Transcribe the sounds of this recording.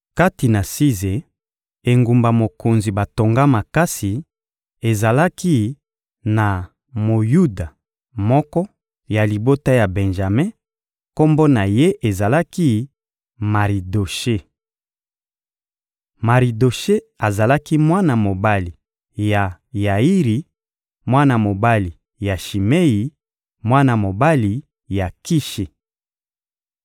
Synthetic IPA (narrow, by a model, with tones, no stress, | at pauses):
ka˦ti˨na˨si˦ze˨ | e˨ŋɡu˨mba˨mo˨ko˨nzi˨ba˨to˨ŋɡa˦ma˨ka˦si˨ | e˨za˨la˦ki˦ | na˨ | mo˨ju˦da˨ | mɔ˦kɔ˦ | ja˨li˨bo˦ta˦ja˨bɛ̃˨nʒa˨mẽ˦ | ko˦mbo˦na˨je˦ʔe˨za˨la˦ki˦ | ma˨ʁi˨do˨ʃe˦ | ma˨ʁi˨do˨ʃe˦ | a˨za˨la˦ki˦mwa˦na˨mo˨ba˦li˨ | ja˨ | ja˨i˦ʁi˨ | mwa˦na˨mo˨ba˦li˨ | ja˨ʃi˨me˦ji˨ | mwa˦na˨mo˨ba˦li˨ | ja˨ki˦ʃe˨